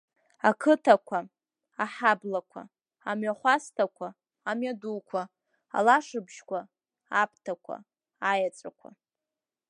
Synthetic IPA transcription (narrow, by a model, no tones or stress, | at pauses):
akʰɨtʰakʷʰa | aħablakʷʰa̰ | amɥaχʷastʰakʷʰaː | mɥadukʷʰa | a̰laʂɨbʒkʷʰa | apʰtʰakʷʰa̰ | ajat͡sʷʼakʷʰa̰